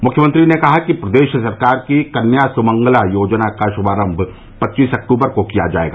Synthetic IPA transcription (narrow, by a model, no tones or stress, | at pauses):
mʊkʰjəmə̃nt̪ɾinekɐɦakipɾɐd̪eːʃsɐɾkaːɾkikɐnjaːsʊmɐ̃ŋɡlajoːd͡ʒnakaʃʊbaːɾə̃mbʱ | pɐtːʃiːsɐk̚ʈuːbəɾkokija̰d͡ʒa̰ːḛːɡaː